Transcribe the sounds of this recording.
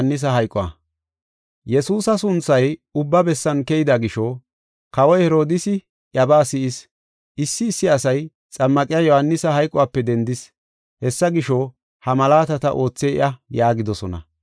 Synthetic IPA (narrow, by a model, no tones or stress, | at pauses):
nːɪs̬ɐɦɐjkʼɔɐ̰ | jɛsuːsɐsʊnt͡sːɐjʊbːɐbɛsːɐnkɛjɪd̪ɐɡɪʃɔ | kɐwɔjhɛɾo̞ːd̪ɪsɪ | ʔjɐbaːsɪʔɪs | ɪsːɪːsːɪɐsɐj | t͡sʼɐmːɐkʼɪjɐjohɐnːɪsɐɦɐjkʼɔwaːpːɛd̪ɛnd̪ɪs | hɛsːɐɡɪʃɔ | hɐmɐlaːt̪ɐt̪ɐʔo̞ːt͡sːeːɪ̰ʔɐjaːɡɪd̪ɔsɔnɐ̰